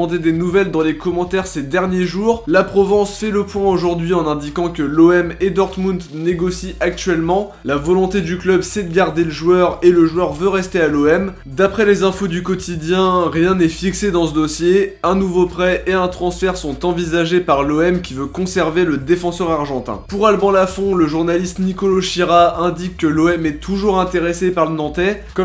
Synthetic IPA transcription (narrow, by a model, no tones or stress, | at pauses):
d̪ed̪enuvɛld̪ɑ̃lekɔmɑ̃t̪ɛʁsed̪ɛʁnjeʒuːʁlapχɔvɑ̃sfɛləpwɛ̃oʒuʁd̪ɥiɑ̃nɛ̃d̪ikɑ̃kəloɛmed̪ɔʁt̪mũd̪neɡɔsiʔak̚t̪ɥɛlmɑ̃ | lavɔlɔ̃t̪ed̪yklœbsɛd̪əɡaʁd̪eləʒwœʁeləʒwœʁvøʁɛst̪ealoɛm | d̪apχɛlezɛ̃fod̪ykɔt̪ʰid̪jɛ̃ʁjɛ̃nɛfiksed̪ɑ̃səd̪ɔsjeɛ̃nuvopχɛʔeɛ̃t̪χɑ̃sfɛʁsɔ̃t̪ɑ̃vizaʒepaʁloɛmkʲivøkɔ̃sɛʁveləd̪efɑ̃sœʁaʁʒɑ̃t̪ɛ̰̃puʁalbɑ̃lafɔ̃ləʒuʁnalist̪nikɔloʃiʁaɛ̃d̪ikːəloɛmɛt̪ʰuʒuʁɛ̃t̪eʁesepaʁlənɑ̃t̪ɛ | kɔ